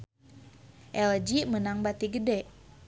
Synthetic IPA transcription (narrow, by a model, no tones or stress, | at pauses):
ʔɛld͡ʒimənaŋbat̪iɡədɛʔ